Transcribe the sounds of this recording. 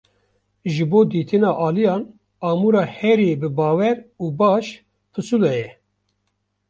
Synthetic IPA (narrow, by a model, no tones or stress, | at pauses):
ʒɨboːd̪iːt̪ʰɨnɑːʔɑːlijɑːn | ɑːmuːɾɑːhɛɾeːbɨbɑːwɛɾuːbɑːʃ | pʰɨsulɛjɛ